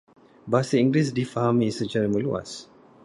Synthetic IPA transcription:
basəĩŋɡlisdifaɦãmisət͡ʃaɾəməlua̰s

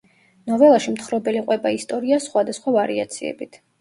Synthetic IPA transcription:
nɔvɛlˠaʃimt̪χɾɔbɛliqʼwɛbaist̪ʼɔɾiasχwad̪asχwavaɾḭa̰t̪sʰiɛ̰bit̪ʰ

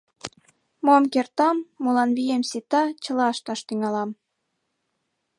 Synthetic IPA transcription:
momkert̪ɑmːulɑnβijemsit̪ɑt͡ɕə̆lɑəʃt̪ɑʃt̪yŋɑlɑm

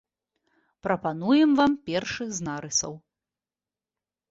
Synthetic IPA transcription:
pɾɐpanujɛmvampʲɛrʂɨɣznaɾɨsɐ̰w

